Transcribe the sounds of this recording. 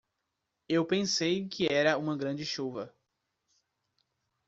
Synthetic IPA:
ewpẽsejkʰɪɛɾɐũmɐɡɾɐ̃d͡ʒɪʃuvɐ

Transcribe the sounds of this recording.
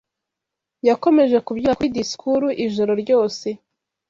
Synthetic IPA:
jako̞me̞ʒe̞kubjuakwidiskʰuɾuʔiʒo̞ɾo̞ɾɟo̞ːse̞

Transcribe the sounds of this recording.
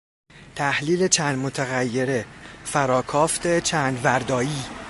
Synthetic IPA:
t̪ʰæhliːle̞t͡ʃʰæːnd̪mot̪ʰæɣæjːe̞ɾefæɾɒːkʰɒːft̪ʰe̞t͡ʃʰæːnd̪væɾd̪ɒːjiː

